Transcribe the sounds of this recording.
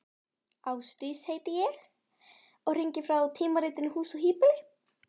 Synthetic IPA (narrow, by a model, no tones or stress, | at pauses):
awst̪ysheːjt̪ɪjɛɣ | ɔɣr̥iɲcɪfɾawt̪ʰiːmaɾiːt̪ɪnʏhuːsɔɦiːpɪlɪ